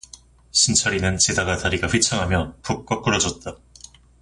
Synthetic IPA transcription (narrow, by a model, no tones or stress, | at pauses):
ɕʰint͡ɕʰʌɾinɯnt͡ɕidaɡataɾiɡaɸwit͡ɕʰʌŋɦamjʌpuk̚k͈ʌk͈ɯɾʌd͡ʑʌt̚t͈a